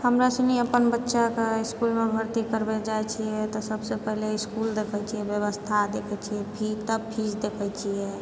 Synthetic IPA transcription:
ɦəmɾasə̃niəpənbətːʃakeiskulmebʱəɾt̪ikəɾbed͡ʒajt͡ʃʰiɛt̪ɔsəbsepəɦleiskuld̪ekʰət͡ʃʰijɛbjəβəst̪ʰad̪ekʰɛt͡ʃʰijɛpʰit̪əpʰid͡ʒd̪ekʰɛt͡ʃʰiɛ

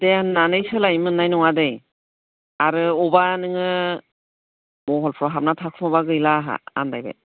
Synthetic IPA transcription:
d̥enːanɯjsɯlajmɯnːajnɔŋadɯj | aɾɯɔbanɯŋɯ | mɔɦɔlpʰɾɔɦap̚natʰakʰɯmɔbaɡɯjlaɦa̰a̰ndajba̰j

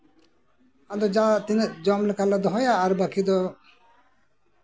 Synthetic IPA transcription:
ad̪ɔd͡ʒat̪ined͡ʒɔmlekalad̪ɔɦɔjaːɾbakʰid̪ɔ

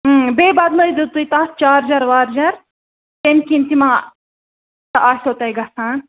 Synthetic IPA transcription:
beːbɐd̪lojd̪ut̪ujt̪aːst͡ʃaːɾd͡ʒɐɾʋaːɾd͡ʒɐɾ | t̪enkint̪imãː | t̪ɐʔaːsʲsot̪ɐjɡɐsaːn

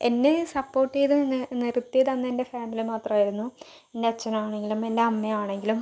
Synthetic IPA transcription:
e̞nːesɐpːo̞ːʈːejðɨnirut̪ːeðɐnːende̞faːmilimaːt̪rɐmaːjiɾunːu | endeɐt͡ɕːɐnɐmaːɳe̞ŋɡilume̞ndeɐmːeaːɳe̞ŋɡilum

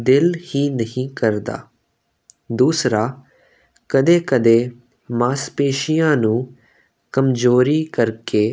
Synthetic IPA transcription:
d̪ɪlhiːnəɦĩːkəɾd̪a̰ː | d̪uːsɾaː | kəd̪eːkəd̪eː | mãːspeːʃijãːnũː | kəmzoːɾiːkəɾkeː

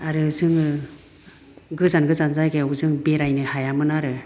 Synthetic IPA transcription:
aɾɯzɯŋɯ | ɡɯzanɡɯzanzajɡeuzɯŋbeɾajnɯhajamɯnaɾɯ

